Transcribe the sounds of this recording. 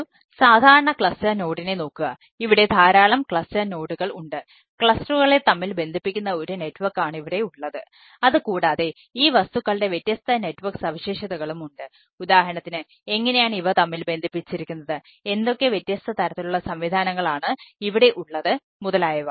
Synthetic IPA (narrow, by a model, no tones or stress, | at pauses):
saːd̪ʱaːɾɐɳɐkɭɐstɐno̞ːɽine̞no̞ːkːuɣɐ | iʋiɽe̞d̪ʱaːɾaːɭɐmkɭɐstɐno̞ːɽuɣɐɭuɳɖɨ | kɭɐstuɣɐɭe̞t̪ɐmːilbe̞nd̪ʱipːikʲːunːɐo̞ɾune̞tːʋɐrkːaːɳɨiʋiɽe̞uɭːɐðɨ | ɐðɨkuːɽaːðe̞ | iːʋɐst̪ukːɐɭɖe̞ʋjet̪ːjɐst̪ʰɐne̞tːʋɐrksɐʋiɕeːʂɐðɐɣɐɭumuɳɖɨ | ud̪aːɦɐɳɐt̪ːinɨ | e̞ŋːɐne̞jaːɳiʋɐt̪ɐmːilbe̞nd̪ʱipːit͡ɕːiɾikʲːunːɐðɨ | e̞nd̪o̞kːe̞ʋjet̪ːjɐst̪ʰɐt̪ɐɾɐt̪ːiluɭːɐsɐmʋid̪ʱaːnɐŋːɐɭaːɳɨiʋiɽe̞ʔuɭːɐðɨ | muðɐlaːjɐʋɐ